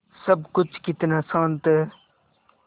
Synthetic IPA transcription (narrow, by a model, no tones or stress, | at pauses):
sɐbkʊt͡ʃʰkɪt̪nasãːnt̪ɛ